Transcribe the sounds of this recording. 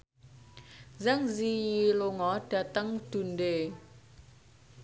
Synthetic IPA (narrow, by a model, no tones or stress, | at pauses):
zaŋzijiloŋɔɖ̥at̪əŋd̥unɖe